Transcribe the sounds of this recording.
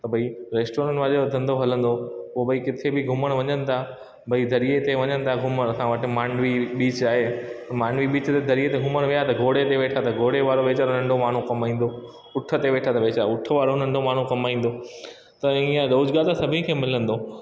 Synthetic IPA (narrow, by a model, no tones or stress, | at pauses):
t̪ɐbʱɐiɾeːsʈoːɾə̃ʈʋaːd͡ʑoɐd̪ʱə̃nd̪oɦɐlə̃nd̪opobʱɐikɪt̪ʰebɪɡʱʊməɽ̃ʋɐɲənɪ̆t̪ʰa | bʱɐid̪ʱɐɾijet̪eʋɐɲənɪ̆t̪ʰaɡʱʊməɐsãʋɐʈɪ̆maːɳɖʋiɓiːt͡ɕaːɦeɐmãːɳɖʋiɓiːt͡ɕt̪ed̪ʱɐɾiet̪eɡʱʊməɽ̃ʋijaɦet̪ɐɡʱoːɽet̪eʋeːʈʰat̪ɐɡʱoːɽeʋaːɾoʋeːt͡ɕaːɾnɐ̃ɳɖʱomaːɳ̤ũkɐmaːĩːn̆d̪o | ʊʈʰə̆t̪eʋeːʈʰat̪ɐʋeːt͡ɕaɾʊʈʰə̆ʋaːɾonɐ̃ɳɖʱomaːɳ̤ũkɐmaːĩːn̆d̪o | t̪ɐĩːə̃ɗ̪ɐʊd͡ʑɡaːlt̪ʰasɐbʱĩkʰeːmɪlə̃nd̪oː